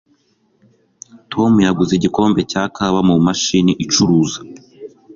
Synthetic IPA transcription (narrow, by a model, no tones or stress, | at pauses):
tʰo̞mujaɡuziɟiko̞ːmbe̞cakʰaβamumaʃiniʔit͡ʃuɾuːzḁ